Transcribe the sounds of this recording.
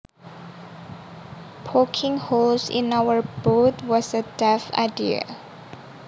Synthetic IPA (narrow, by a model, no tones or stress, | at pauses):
pʰɔkʰɪ̃ŋholsɪ̰̃nawəɹbot̪wɔsədɛfa̰ɪdiə̰